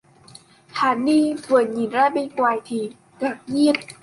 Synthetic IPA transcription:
t̪ʰaː˨˧˩nːiː˧˥˨fɯ˨˩nɲi˨˩˦nɾaː˧˥˩jbe˧˩kwaː˧˩jt̪ʰiː˧˩ | ka˨˩p̚ɲi˥˩ə˨t̪̚

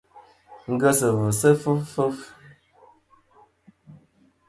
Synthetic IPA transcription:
ŋ̩˦ɡə˦sə˨və˨sə˦fə˦ffə˦f

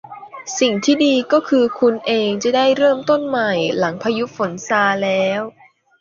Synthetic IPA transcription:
si˨˩ŋt̪ʰiː˥˩diː˧kɔː˥˩kʰɯː˧kʰu˧nʔeː˧ŋt͡ɕa˨˩da˥˩jɾɤː˥˩mt̪o˥˩nma˨˩jla˩˦ŋpʰaː˧ju˦˥fo˩˦nsaː˧lɛː˦˥w

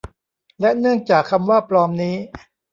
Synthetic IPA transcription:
lɛ˦˥nɯ˥˩əŋt͡ɕaː˨˩kʰːa˧mwaː˥˩plɔː˧mniː˦˥

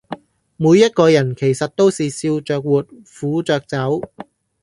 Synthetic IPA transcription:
muː˨˧jːɐ˥t̚kɔː˧jɐ˨˩nkʰe˨˩jsɐ˨t̚t̪o˥wsiː˨siː˧wt͡ʃœː˨k̚wuː˨˩t̚ | fuː˨˥t͡sœː˨k̚t͡sɐ˨˥w

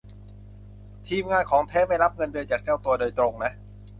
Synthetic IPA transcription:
t̪ʰiː˧mŋaː˧nkʰɔː˩˦ŋp̪ʰɛː˦˥ma˥˩jɾa˦˥p̚ŋɤ˧ndɯː˧jt͡ɕaː˨˩k̚t͡ɕɛː˥˩wt̪u˧ɐdoː˧jt̪ɾo˧ŋna˦˥ʔ

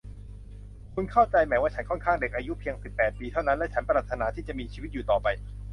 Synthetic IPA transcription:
kʰu˧nkʰa˥˩wt͡ɕa˧jmɛː˩˦waː˥˩t͡ɕʰa˦˥nkʰɔ˥˩nkʰaː˥˩ŋde˨˩k̚ʔaː˧ju˦˥pʰi˧əŋsi˨˩pːɛː˨˩t̪̚piː˧t̪ʰa˥˩wna˦˥nlɛ˦˥t͡ɕʰa˦˥npa˧la˨˩t̪ʰːnaː˩˦t̪ʰiː˥˩t͡ɕa˨˩miː˧t͡ɕʰiː˧wi˦˥t̪̚juː˨t̪ɔː˨˩pa˧j

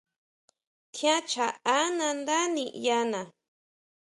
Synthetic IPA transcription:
t̪ʰjã˦t͡ʃaː˨˦na˧nd̪a˦nija˦na˨

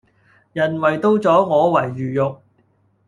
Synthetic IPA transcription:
jɐ˨˩nwɐ˨˩jt̪o˥wt͡sɔː˨˥ŋɔː˨˧wɐ˨˩jːyː˨˩jʊ˨k̚

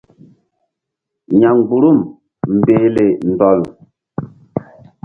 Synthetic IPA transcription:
ɲa˨ŋ˨ɡ͡bu˨ɾu˦˨m | m̩˨beː˨˦le˨n̩˨dɔ˨l

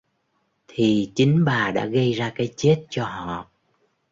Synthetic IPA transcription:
t̪ʰi˨˩t͡ɕï˨˦ŋ̟ɓaː˨˩ɗa̰ː˧˥ɣə˧jzaː˧kaː˨˦jt͡ɕe˦˥t̚t͡ɕɔ˧ɦɔ̰˧˨

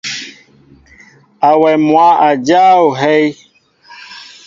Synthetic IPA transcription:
a˨wɛ˨mwa˨˦ʔa˨d͡ʒa˦o˨ɦɛ˦j

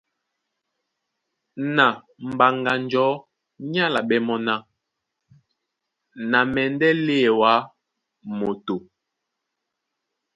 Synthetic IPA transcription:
na˨ | m̩˨ba˨ŋɡa˨nd͡ʒɔ˨˦ | ɲa˦la˨ɓɛ˦mɔ˦na˦ | na˨mɛ˨n˦dɛ˦le˦˨wa˨˦ | mo˨to˨

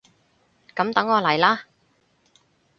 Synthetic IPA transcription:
kɐ˨˥mt̪ɐ˨˥ŋɔː˨˧lɐ˨˩jlaː˥

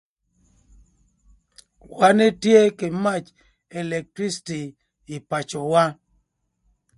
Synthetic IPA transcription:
wa˦ne˦tje˦ke˨ma˦t͡ʃ | e˨le˨k̚tɾi˦stiː˨ | pa˨t͡ʃɔ˨wa˦

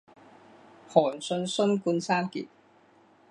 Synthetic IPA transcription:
hɔː˨˩nsɵ˧nsɵ˥nkuː˧nsaː˥nkḭ˨t̚

